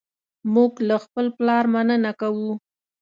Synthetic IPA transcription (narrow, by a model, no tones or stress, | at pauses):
muɡlaxpəlplɑɾmanənakawu